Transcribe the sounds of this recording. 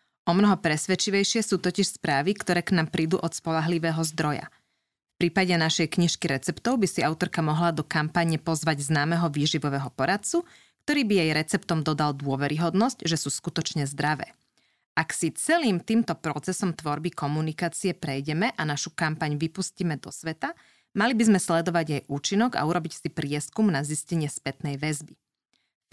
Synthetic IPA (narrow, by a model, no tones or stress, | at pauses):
ʔɔmnɔɦɔpɾɛsʋɛt͡ʃiʋɛjʃɪɛsuːt̪ɔciʃspɾaːʋikt̪ɔɾɛːknaːmpɾʔiːd̪ṵːʔɔt̪spɔlaɦliʋɛːɦɔzd̪ɾɔja̰ | fpɾiːpaɟɛnaʃɛjkɲiʃkiɾɛt͡sɛpt̪ɔʊbisiaʊt̪ɔɾkamɔɦlad̪ɔkampaɲɛpɔzʋaɟznaːmɛɦɔʋiːʒiʋɔʋɛɦɔpɔɾat̪̚t͡su | kt̪ɔɾiːbijɛjɾɛt͡sɛpt̪ɔmd̪ɔd̪ald̪ʊɔʋɛɾʔiɦɔd̪nɔscʒɛsuːskut̪ɔt͡ʃɲɛzd̪ɾaʋɛ̰ː | ʔaksit͡sɛliːmt̪iːmt̪ɔpɾɔt͡sɛsɔmt̪ʋɔɾbikɔmunikaːt͡siɛpɾɛjɟɛmɛʔanaʃukampaɲʋipusciːmɛd̪ɔsʋɛt̪a | malibizmɛslɛd̪ɔʋaɟjɛjʔuːt͡ʃinɔɡa̰uɾɔbicsipɾɪɛskumnaziscɛɲɪɛspɛt̪nɛjʋɛzbi